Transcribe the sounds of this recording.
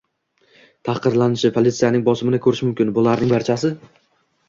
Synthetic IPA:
t̪ʰɑqɨɾlanɪʃɪpʰolʲit̪sijanɪŋbɒsɪmɪnɪkʰɵɾɪʃmʊmkʲɪnbʊlaɾnɪŋbaɾt͡ʃʰasɪ

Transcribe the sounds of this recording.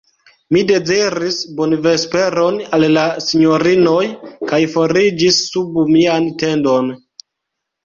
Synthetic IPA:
mide̞ziɾisbonve̞spe̞ɾo̞nallasiɲo̞ɾino̞jkajfo̞ɾid͡ʒisːubmiante̞ndo̞n

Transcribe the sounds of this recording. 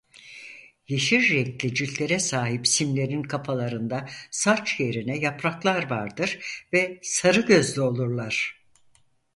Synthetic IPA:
jeʃiɾːɛclʲid͡ʒyllʲe̞ɾɛsaːɦipsimlʲe̞ɾinkʰapʰalˠaɾɯnd̪asat͡ʃje̞ɾinɛjapɾaklˠaɾvaɾd̪ɯɾvɛsaɾɯɟø̞zlʲyo̞lˠuɾlˠaɾ̥

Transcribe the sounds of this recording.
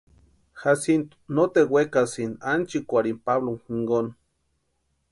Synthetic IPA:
hasint̪u̥not̪ewʷekasinant͡ʃikʷaɾimpaβloŋhiŋɡon

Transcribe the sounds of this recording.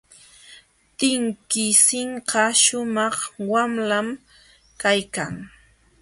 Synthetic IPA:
t̪ɪŋkɪsɪɴqɑʃʊmɑχwamlam | kajkaŋ

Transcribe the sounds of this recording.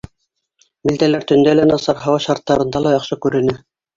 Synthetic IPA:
mild̪ælæɾt̪ɵ̆nd̪ælænɑsɑɾɦɑwɑʃɑɾt̪ːɑɾɤ̆nd̪ɑlˠɑjɑqʃɤkʉɾɘ̆nɘ

